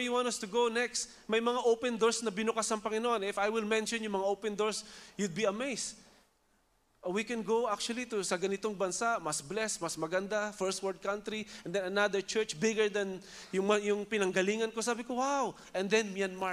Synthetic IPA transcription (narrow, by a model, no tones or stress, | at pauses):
juwãntɐst̪ʊɡownɛkst̪ | mɐjmɐŋaʔowpɛnd̪oɹsnɐbɪnʊkasɐŋpɐŋɪnoʔõnʔɪfajwɪlmɛ̃nʃɔnjʊŋmɐŋaʔowpɛ̃nd̪oɹsjʊd̪̚biɐmejst | ʔwikɛ̃nɡowʔak̚t͡ʃuwɐlit̪usɐɡɐnɪt̪oŋbɐnsaʔmɐsblɛsmɐsmɐɡɐnd̪afɛɹst̪̚wɛɹd̪̚kãnt̪ɾiʔɛ̃nd̪ɛ̃nɐnad̪əɹt͡ʃɛɹt͡ʃbɪɡəɹd̪ɐn | jʊjʊŋpɪnɐŋɡɐliːŋɐnkosaːbɪkowaw | ʔɛ̃nd̪ɛnmjanma